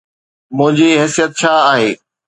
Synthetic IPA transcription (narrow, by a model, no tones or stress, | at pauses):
mʊ̃ɦɪ̃ɲd͡ʑiɦɛːsijət̪̚t͡ɕʰaaːɦeː